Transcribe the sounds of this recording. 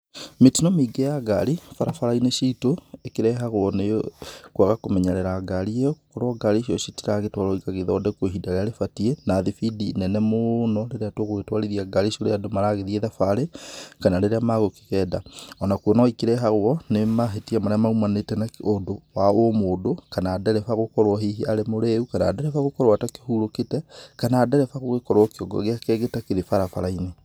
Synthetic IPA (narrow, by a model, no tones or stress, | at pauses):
metinɔmiɡejaɡa̰ɾifaɾafaɾaineʃitoekeɾɛɦaɣwɔnekwaɣakomɛɲaɾɛɾaɡaɾiejɔko̥kɔɾwɔɡaɾiʃiɔʃitiɾaɣetwaɾɔikaɣeðɔdɛkoɦidaɾeaɾefatienaðifidinɛnɛmonɔleɾeatwoɣoɣetwaɾeðiaɡaɾeʃoɾeadomaɾaɣeðieðafaɾekanaɾeɾeamaɣoke̥ɣɛːdaɔnakuɔnɔwaikeɾɛɦaɣwɔnemaɦetiamaɾeamaumanetɛnaodowaomoːdokanaːdɛɾɛfaɣokɔɾwɔɦiɦiaɾemoɾeukana̰ːdɛɾɛfaɣokɔɾwatake̥huɾoketɛkanaːdɛɾɛfaɣoɣekɔɾwɔkeɔɡɔ̰ɣeakɛɣetakeɾefaɾafa̰ɾaine